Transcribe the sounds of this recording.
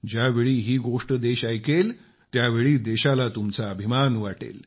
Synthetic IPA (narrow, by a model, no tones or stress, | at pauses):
d͡ʑjaʋeɭiːɦiːɡoʂʈəd̪eɕajkel | t̪jaʋeɭiːd̪eɕalat̪umt͡saːbʱimanʋaʈḛl